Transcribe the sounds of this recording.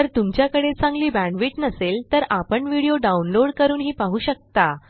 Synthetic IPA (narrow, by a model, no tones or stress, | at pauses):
t̪əɾt̪umt͡ɕjakəɽet͡sãŋɡliːbæ̃ɳʋiːʈnəselt̪əɾapəɳʋiɽijoɖaunloɽkəɾuːnɦiːpaɦuːɕək̚t̪a